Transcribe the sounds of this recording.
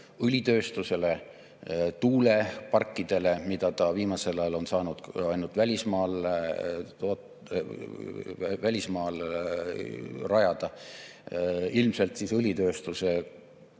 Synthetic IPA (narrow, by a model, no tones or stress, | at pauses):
ɯlʲit̪ø̞ːst̪use̞le̞ | t̪uːle̞pɑrkːid̪̥e̞le̞mid̪̥ɑt̪ɑviːmɑse̞lɑjɑlo̞nsɑːnud̪̥ɑjnult̪vælʲismɑːl | t̪oːt̪ | vælʲismɑːl | rɑjɑd̪̥ɑ | ilmse̞lt̪sisɯlʲit̪ø̞ːst̪use̞